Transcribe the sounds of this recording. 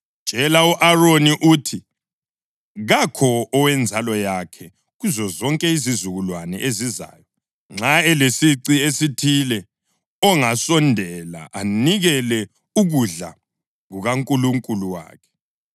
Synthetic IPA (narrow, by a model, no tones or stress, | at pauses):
t͡ʃʼɛlauʔaroniʔuːtʰi | ɣakʰɔɔwɛnd͡zʱalɔjakʰɛ | ɣuzɔzɔŋkʼɛizizuɣulwanɛ̰ʔeziza̰ːjɔ | ŋ͡ǁaɛlesiǀiesitʰilɛ | ɔŋasɔndʱɛla̰ʔaniɣɛlɛ | uɣuɮa̰ | ɣuɣaŋkʼuluŋkʼuluwa̰ːkʰɛ̥